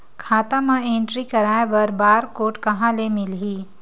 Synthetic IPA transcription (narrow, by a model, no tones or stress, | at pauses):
kʰaːt̪ãmɐ̃ẽːɳʈɾikɐɾaːẽbɐɾbaːɾkoːʈkɐɦãlemɪlɦiː